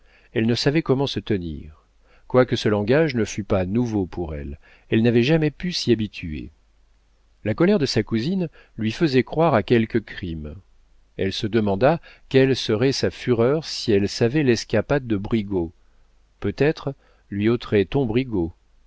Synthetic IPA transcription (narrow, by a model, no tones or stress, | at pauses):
ɛlnəsavɛkɔmɑ̃sət̪ənḭʁ | kwakəsəlɑ̃ɡaʒnəfypanuvopʰuʁɛ̰l | ɛlnavɛʒamɛpysiabit̪ʰyḛ | lakɔlɛʁd̪əsakuzin | lɥifəzɛkχwaʁakʲɛlkəkχim | ɛlsəd̪əmɑ̃d̪akʲɛlsəʁɛsafyʁœʁsiɛlsavɛlɛskʲapad̪ːəbʁiɡo | pøt̪ɛt̪χ | lɥiot̪χɛt̪ɔ̃bʁiɡo